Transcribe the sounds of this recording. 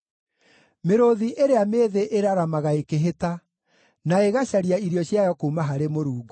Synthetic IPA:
meɾoðiʔeɾeameːðeʔeɾaɾamaɣaekeɦeta | naeɣaɕaɾiaiɾjɔɕjajɔkuːmaɦaɾemoɾuːɡo

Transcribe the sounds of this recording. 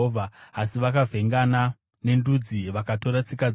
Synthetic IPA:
vʱaːsiʋakavʱe̞ŋɡana | ne̞ndud͡ziʋakato̞ɾat͡sika

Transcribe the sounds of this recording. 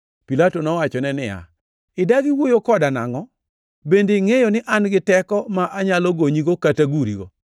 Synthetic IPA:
pilatonɔwat͡ʃɔnɛnɪja̰ | ɪdaɡiwojokɔdana̰ŋɔ | bendeiŋejonɪʔanɡɪtɛkɔmaʔaɲaloɡoɲiɡokataɡuɾḭɡo

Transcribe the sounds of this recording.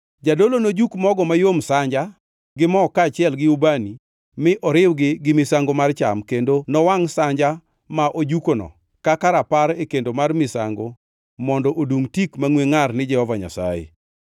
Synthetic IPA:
d͡ʒadolonod͡ʒukmɔɡɔmajomsaɲd͡ʒa | ɡɪmɔkaːt͡ʃɪɛlɡɪubani | mɪʔɔɾɪwɡɪɡɪmɪsaŋɡomart͡ʃa̰mkendonɔwaŋsaɲd͡ʒa | maʔod͡ʒukonɔ̰ | kakaɾapaɾekendomarmɪsa̰ŋɡo | mɔndɔʔoduŋtikmaŋweŋarnɪd͡ʒɛhɔvaɲa̰sa̰jḛ

